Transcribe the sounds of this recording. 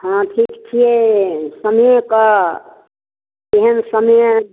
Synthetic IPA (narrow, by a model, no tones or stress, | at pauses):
ɦãʈʰikt͡ʃʰijesəmjẽka | eɦənsəmj